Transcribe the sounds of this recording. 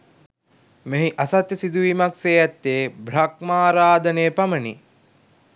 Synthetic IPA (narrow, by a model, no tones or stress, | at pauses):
meɦiʔasat̪jəsid̪uʋiːmakseːɛt̪ːeːbɾak̚maːɾaːd̪ənejːpaməni